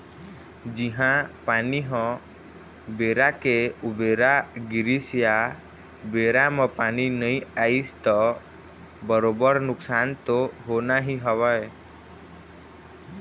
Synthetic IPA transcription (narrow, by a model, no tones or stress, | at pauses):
d͡ʒiɦãpaniɦɔ̃ | beɾakeubeɾaɡiɾisja | beɾamə̃paninəĩaist̪ɔ | bəɾobəɾnʊksant̪oɦonaɦiɦəʋae